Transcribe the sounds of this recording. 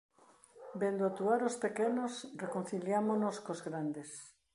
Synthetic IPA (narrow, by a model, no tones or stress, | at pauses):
bend̪oat̪uaɾospekenosrekon̟θiljamonoskozɣɾand̪es